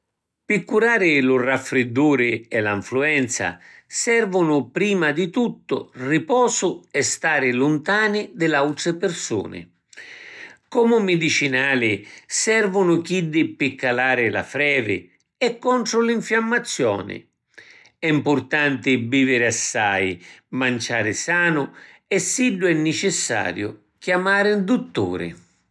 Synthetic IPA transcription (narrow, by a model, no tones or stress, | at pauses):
pɪkːuɾaːɾɪlʊrafːɾɪd̪ːuːɾɪɛlaɱfluɛnt̪sa̰sɛrvʊnʊpɾiːmad̪ɪt̪ut̪ːʊ̰ripɔːsʊɛst̪aːɾɪlʊnt̪aːnɪd̪ɪlawt̪ɾɪpɪrsṵːnɪ̰ | kɔmʊmɪd̪it͡ʃinaːlɪsɛrvʊnʊk̟id̪ɪpːɪkːalaːɾɪla̰fɾɛːvɪ̰ | ɛkːɔnt̪ɾʊliɱfjamːat̪sːjɔ̰ːnɪ̰ | ɛimpʊrt̪ant̪ɪbiːvɪɾɪasːajmant͡ʃaːɾɪsaːnʊ | ɛsːiɖːʊɛnːɪt͡ʃɪsːa̰ːɾjʊ | kjamaːɾɪnd̪ut̪ːṵːɾɪ̰